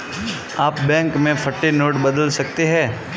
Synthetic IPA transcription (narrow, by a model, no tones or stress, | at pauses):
aːpbɛ̃ːŋkmẽpʰɐʈːenoːʈbɐd̪əlsɐk̚t̪eɦɛ̃ː